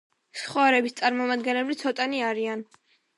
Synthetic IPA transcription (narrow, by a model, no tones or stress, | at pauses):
sχwaɾɛbist̪sʼaɾmɔmad̪̚ɡɛnlɛblit̪sʰɔt̪ʼaniaɾian